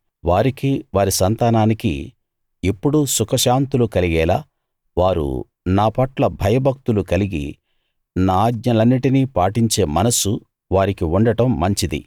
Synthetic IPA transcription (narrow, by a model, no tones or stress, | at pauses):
ʋaːɾikiʋaːɾisɐnt̪aːnaːnikḭ | ipːuɽusukɐʃaːnt̪ulukɐliɡɛːlaː | ʋaːɾṵ | naːpɐʈlɐbʱɐjɐbʱɐk̚t̪ulukɐliɡḭ | naːaːɡɲɐlɐnːiʈiniːpaːʈiɲt͡ʃe̞ːmɐnɐsu | ʋaːɾikiuɳɖɐʈɐmːɐɲt͡ʃid̪ḭ